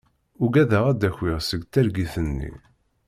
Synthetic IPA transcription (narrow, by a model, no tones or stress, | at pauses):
ʊɡæðæʁæd̪æçwiʁsəɡt̪æɾɡiθənːḭ